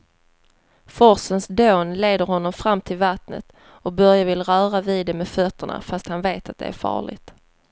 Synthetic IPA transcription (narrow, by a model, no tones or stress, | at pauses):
fɔɾsənsd̪oːnleːd̪əɾhɔnːɔmfɾamːt̪ʰɪlvat̪nə̰t̪ | ɔk̚bœɾjavɪlɾœːɾavɪːd̪ːɛmɛfœt̪ʰːəɳa̰fast̪hanveːt̪at̪̚d̪ɛ̰æ̰ɾfɑ̰ːɭɪ̰ɡt̪